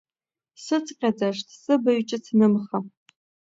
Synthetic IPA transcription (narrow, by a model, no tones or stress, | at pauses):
sɨt͡sʰqʲʼad͡zɐʂtʰsɨbɐɥt͡ʃʼɐt͡sʰnɨmχɐ